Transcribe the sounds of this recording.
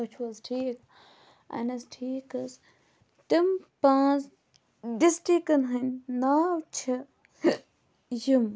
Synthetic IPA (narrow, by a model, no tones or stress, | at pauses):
ɐt͡ʃʰwɐzʈʰiːk | ɐ̰nɐsʈʰiːkɐs | t̪impãːt͡s | ɖisʈikɐnɦɐnʲnaːwt͡ʃʰɐ | jim